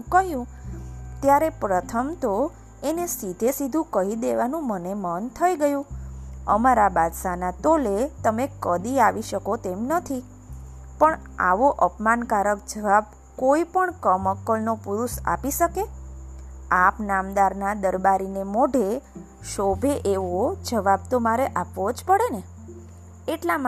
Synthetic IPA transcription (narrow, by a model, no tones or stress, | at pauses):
kəɦjũt̪jaɾepɾət̪ʰəmt̪o | enesid̪ʱesid̪ʱũkəɦid̪eʋanũmənemənt̪ʰəiɡəjũə̰maɾabad̪sanat̪olet̪əmekəd̪iaʋiʃəkot̪emnət̪ʰi | pəɳ | a̰ʋoʔəpmankaɾək̚d͡ʒəʋab̚ | koipəɳkəməkːəlnopuɾusa̰piʃəke | apnamd̪aɾnad̪əɾbaɾinemoɖʱe | ʃobʱeʔeʋod͡ʒəʋab̚t̪omaɾeʔapʋod͡ʒpəɽene | eʈla